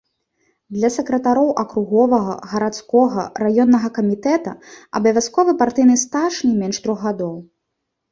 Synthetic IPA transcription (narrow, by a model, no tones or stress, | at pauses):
d̪lʲɐsɛkɾɐt̪aɾɔwʔɐkɾuɣɔvɐɣɐ̰ɣɐɾat̪skɔɣɐɾajɔnːɐɣɐkɐmʲit̪ɛt̪ɐ̰ɐ̰bɐvʲaskɔvɨpart̪ɨjnɨst̪aʂnʲimʲɛnʂt̪ɾɔɣɣad̪ɔw